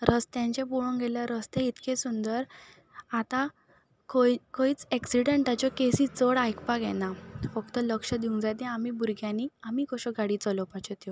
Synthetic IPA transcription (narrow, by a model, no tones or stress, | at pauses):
ɾəst̪jãɲt͡ɕepuɭũŋɡʱelaɾəst̪ẽit̪kesund̪əɾ | at̪ã | kokoit͡sɛksiɽəɳʈat͡ɕjɔkesit͡səɽajkpaɡɛnafəkt̪ələkʂəd̪iũŋɡd͡zajt̪ɛ̃amibuɾɡjãniamikɔɕɔɡaɽit͡sɔlɔpat͡ɕɔt̪jɔ